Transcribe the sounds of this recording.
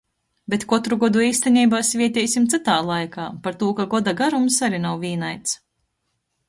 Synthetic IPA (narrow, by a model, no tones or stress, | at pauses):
bʲet̪kɔt̪ɾuɡɔd̪uiːst̪anʲiːbaːsvʲiɛt̪ʲɛjsimt̪sɨt̪aːlˠajkaːpaɾt̪uɔkaɡɔd̪aɡaɾumsaɾinawvʲiːnajt̪s